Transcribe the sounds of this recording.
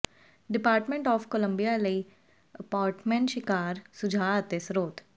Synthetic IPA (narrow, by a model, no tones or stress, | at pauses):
ɖɪpaːɾʈmẽɳʈɔːfkolə̃mbijaləi | əpaːɾʈmẽɳʈʃɪkaːɾsʊd͡ʒʱaːt̪ɪsɾoːt̪